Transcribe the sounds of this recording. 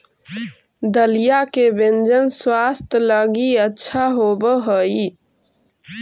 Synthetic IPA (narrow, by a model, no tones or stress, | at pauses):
d̪əlijakebend͡ʒənswast̪ʰələɡiətːʃʰaɦobəɦəi